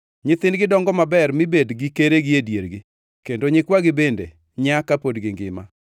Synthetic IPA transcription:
ɲɪt̪ɪnɡɪdɔŋɡɔmabɛrmɪbedɡɪkeɾeɡɪedjeɾɡɪ | kendoɲɪkwaɡɪbendḛ | ɲakapodɡɪŋɡɪ̰ma̰

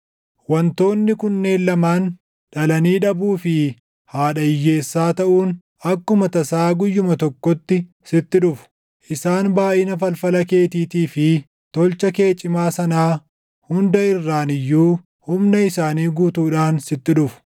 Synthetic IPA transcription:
wɐnt̪o̞ːnːɪkʊnːe̞ːnlɐmaːn | ᶑɐlɐniːᶑɐbuːfɪ | haːᶑɐɪjːe̞ːsːaːt̪ɐʔuːn | ʔɐkːʊmɐt̪ɐsaːɡʊjːʊmɐt̪ɔkːɔt̪ːɪ | sɪt̪ːɪᶑʊfʊ̥ | ʔɪsaːnbaːʔɪnɐfɐlfɐlɐke̞ːt̪iːt̪iːfɪ | t̪ɔlt͡ʃɐke̞ːt͡ʃʼːɪmaːsɐnaː | hʊnd̪ɐɪrːaːnɪjːuː | hʊmnɐɪsaːniːɡuːt̪uːᶑaːnsɪt̪ːɪᶑʊfʊ̥

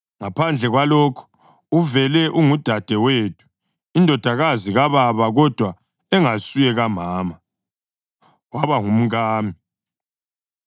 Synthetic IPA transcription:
ŋapʰand͡ɮʱɛɣwalɔːkʰɔ̥ | uvɛlɛʔuŋud̥ʱad̥ʱɛwetʰʼu̥ | indʱɔd̥ʱaɣaziɣaβaβaɣɔd̥ʱwa | ɛŋasujɛɣamaːma | waβaŋum̩ɣaːmi

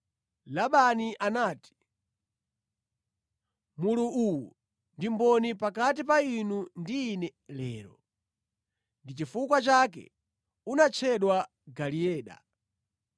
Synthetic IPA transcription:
laɓaniʔanaːti̥ | muluʔuwu | ndimbɔnipakat̬ipainundiːnɛlɛ̰ːɾɔ | ndit͡ʃifukwat͡ʃak̬ɛ̰ | unat͡ʃʰɛɗwa | ɡaliɛːɗa̰

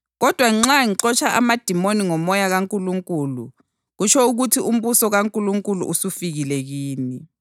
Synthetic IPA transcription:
ɣɔd̥ʱwaŋ͡ǁaŋiǁɔt͡ʃʰaʔa̰mad̥ʱimoniŋɔmɔjaɣaŋkʼuluŋkʼuːlṵ | ɣut͡ʃʰɔuɣutʰium̩βusɔɣaŋkʼuluŋkʼulṵʔusufiɣilɛɣiːni

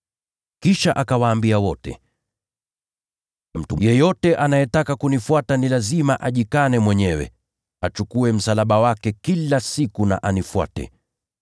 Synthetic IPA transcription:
kiʃaʔakawaːmbiawɔtɛ̰ | m̩tujɛjɔtɛʔanajɛtakakunifwatanilazimaʔaʄikanɛmwɛɲɛwɛ̰ | at͡ʃukuɛm̩salaɓawakɛkilasikuna̰ʔanifwa̰tɛ̰

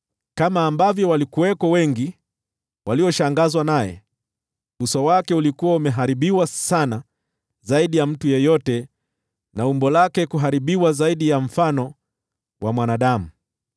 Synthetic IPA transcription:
kamaːmbavjɔwalikuwɛkɔwɛŋɡi | wʔaliɔʃaŋɡazwanajɛ̰ | ɓusɔwakɛulikuwaumɛɦaɾiɓiwasana | zaiɗijam̩tujɔjɔtɛ | naumbɔlakɛkuɦaɾiɓiwazaiɗijam̩fanɔ | wʔamwanaɗamu

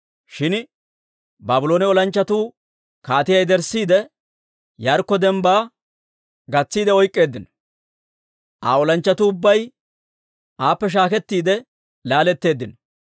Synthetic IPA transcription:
ʃɪn | baːbʊlo̞ːnɛɔlɐnt͡ʃːɐt̪uː | kaːt̪ɪjɐjd̪ɛɾsiːd̪ɛ | jɐɾkːɔd̪ɛmbaː | ɡɐt͡sːiːd̪ɛɔjkʼːe̞ːd̪ːɪnɔ̥ | ʔa̰ːɔlɐnt͡ʃːɐt̪uʊbːɐj | ʔaːpːɛʃ̬aːkɛt̪ːiːd̪ɛ | laːlɛt̪ːe̞ːd̪ːɪnɔ

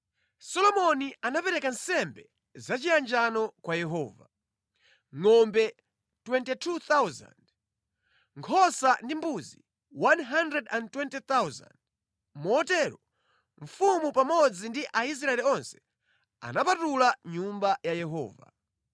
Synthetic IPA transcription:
sɔlɔmɔnianapɛɾɛkansɛmbɛ | zat͡ʃiand͡ʒanɔkwajɛɦɔːva | ŋɔmbɛ | twɛntitʰut̪awza̰nd | ŋkʰɔsandimbuzi | wanɦandɾɛdantwɛntit̪awza̰nd | muɔtɛɾɔ | ɱfumupamɔd͡zindiʔais̬ɾaɛliɔnsɛ̥ | a̰napatulaɲumbajajɛɦɔ̰ːva̰

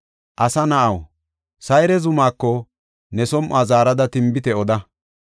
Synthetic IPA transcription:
ʔɐsɐnɐʔɐw | sɐjɾɛzʊmaːkːɔ | nɛsɔmʔaːzaːɾɐd̪ɐt̪ɪmbɪt̪ɛɔd̪ɐ

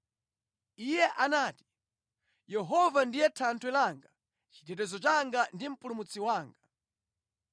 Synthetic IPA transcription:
ijɛʔanaːti̥ | jɛɦɔvandijɛtʰantʰwɛlaŋɡa | t͡ʃitɛt̬ɛzɔt͡ʃaŋɡandim̩pulumut͡sʰiwaːŋɡa

